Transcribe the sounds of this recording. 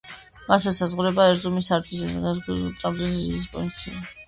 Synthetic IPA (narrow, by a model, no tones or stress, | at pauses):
masɛsazʁuɾɛbaɛɾzumisaɾd̪ʼis | t̪ʼamziszizispʼɔ̰vint̪sʰḭa